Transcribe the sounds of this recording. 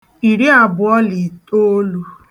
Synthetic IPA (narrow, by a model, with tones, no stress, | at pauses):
i˨ɾi˦a˨bʊ˨ɔ˦li˨to˦lu˦